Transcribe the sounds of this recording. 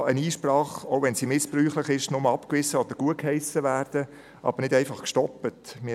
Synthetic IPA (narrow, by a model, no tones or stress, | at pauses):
əniːʃprɑːχoʊʋɛnsiːmɪspryːχləχɪʃnʊməɑpkʋɪzəɔd̥̪əɾɡ̥uəkhɛɪsəʋæːrd̥ə | ʔɑ̰b̥əɾnɪdɛɪfɑχkʃtɔpːətmɪ